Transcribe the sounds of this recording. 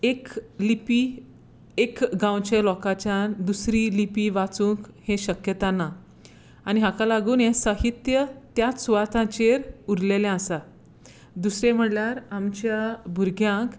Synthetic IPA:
eklipi | ekɡãwt͡ɕelɔkat͡ɕjad̪usɾilipiʋat͡sũːkhẽɕəkjət̪anːa | añiɦãkalaɡuːnẽsəɦit̪jət̪jat͡ssuʋat̪ʰãt͡ɕeɾuɾlelẽasa | d̪usɾẽm̤əɽljaɾamt͡ɕjabʱuɾɡʱjãk

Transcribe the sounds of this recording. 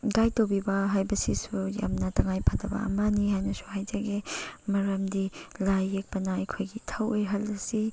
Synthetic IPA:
ɡajtobibɐɦajbɐsisuja̰mnɐtɐŋajpʰatɐbɐ̰ɐ̰mɐniɦajnɐsu̥hajd͡ʒɐɡemɐɾɐmdilajek̚pɐnaɐjkʰojɡitʰɐwojɦɐlːɐsi

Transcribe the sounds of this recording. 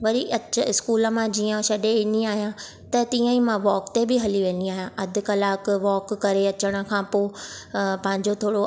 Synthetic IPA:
ʋɐɾiʔɐəɪskuːlə̆mãd͡ʑiːə̃ʃɐɗeɪniaːɦijã | t̪ɐt̪ĩːə̃ĩmãʋɔːkt̪ebɪɦɐliʋẽːniaːɦijãʔɐd̪ʱʊ̆kɐlaːkʋɔːkːɐɾeɐt͡ɕəɽ̃ə̆kʰãːpoː | pɐ̃ɦɪ̃ɲd͡ʑot̪ʰoːɽo

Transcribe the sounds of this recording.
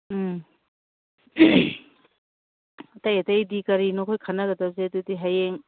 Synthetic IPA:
ɐtɐjɐtɐjdikɐɾinokʰojkʰɐnɐɡɐdɐzetutiɦajeŋ

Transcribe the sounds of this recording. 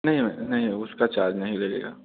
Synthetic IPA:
nɐɦĩmɛ̃nɐɦĩʊskat͡ʃaːɾd͡ʒnɐɦĩleɡḛːɡa̰ː

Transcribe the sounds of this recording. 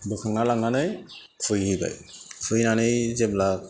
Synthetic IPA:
dɔkʰaŋalaŋanaj | kʰujɦɯba̰jkʰujnanɯjzɛblak̚

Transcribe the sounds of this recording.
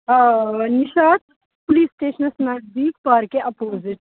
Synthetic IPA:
nɪʃaːt̪ | pʊliːsːʈeːʃənsnaːʈbiːkpaːɾkeʔɐpoːzɪʈ

